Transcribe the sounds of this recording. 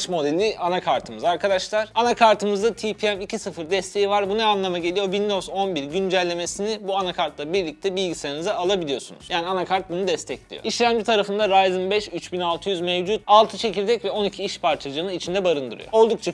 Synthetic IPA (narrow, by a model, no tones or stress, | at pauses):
ʃmo̞d̪elʲianakʰaɾt̪ʰɯmɯzaɾkʰad̪aʃlˠaɾ̥anakʰaɾt̪ʰɯmɯzd̪at̪ʰipʰiɛmicʰisɯfɯɾd̪ɛst̪ʰe̞jivaɾbunaanlˠamaɟe̞lʲijo̞vind̪o̞zo̞nbiɾɟynd͡ʒælʲːe̞me̞sinibuanakʰaɾt̪lˠabiɾlʲic̚t̪ʰɛbilʲɟiseɾinizɛalˠabilʲijo̞sunṵz̥jaːnianakʰaɾt̪̚bunud̪ɛst̪ʰɛclʲḭjo̰iʃlʲæmd͡ʒit̪ʰaɾafɯnd̪aɾajzɯmbɛʃyt͡ʃbinalˠt̪ʰɯjyzmɛvd͡ʒut̪̚alˠt̪ʰɯt͡ʃʰe̞cʰilʲd̪ɛcvɛo̞nicʰiiʃpʰaɾt͡ʃʰad͡ʒɯːnɯit͡ʃʰind̪ɛbaɾɯnd̪ɯ̰ɾɯ̰jo̞̰o̞lˠd̪ukt͡ʃʰa